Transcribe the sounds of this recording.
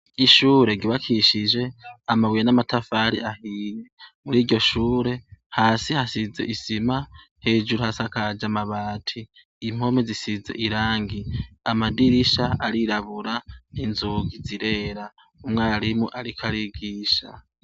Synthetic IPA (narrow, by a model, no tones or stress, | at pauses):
iʃuːɾe̞ɡiβakʰiʃid͡ʒe̞amawijanamatʰafaɾḭʔahiːje̞muɾiːɟɟo̞ʃuːɾe̞haːsihasize̞̰ʔisima | he̞ːd͡ʒuɾuhasakad͡ʒamaβaːtʰiː | m̥ho̞mezisize̞̰ʔiɾaːŋɡiamadiɾiʃaaɾiɾaβuɾaninzuɡiziɾe̞ɾa | umŋaːɾimuʔaɾikʰaɾiɡiːʃa̰